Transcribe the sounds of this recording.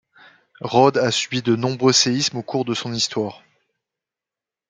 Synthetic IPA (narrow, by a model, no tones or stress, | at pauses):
ʁɔd̪asybid̪ənɔ̃bʁøseismokuʁd̪əsɔ̃nist̪waːʁ